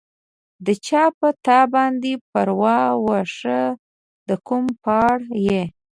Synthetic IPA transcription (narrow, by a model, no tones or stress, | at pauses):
d̪ət͡ʃɑpət̪ɑbɑnd̪epəɾwɑwaʂə | d̪əkumpɑɽje